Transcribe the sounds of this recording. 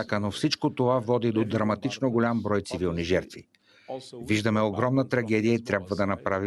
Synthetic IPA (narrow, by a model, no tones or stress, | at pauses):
kənofsit͡ʃkot̪ovavɔd̪id̪od̪ɾɐmɐt̪it͡ʃnoɡolʲambɾɔjt̪sivilˠniʒɛɾt̪vḭ | viʒd̪ɐmɛoɡɾɔmnət̪ɾɐɡɛd̪ijəit̪ɾʲabvəd̪ɐnɐpɾavi